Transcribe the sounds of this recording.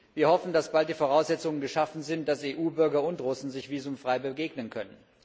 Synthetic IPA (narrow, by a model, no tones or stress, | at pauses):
viːɐhɔfn̩dasb̥alt̚d̥iːfoʁaʊszɛt͡sʊŋənɡəʃafn̩zɪnt̚d̥aseːʔuːbʏɐɡɐʊntʁʊsn̩zɪçv̥iːzʊmfʁ̥aɪbəɡeːɡnənkʰœnən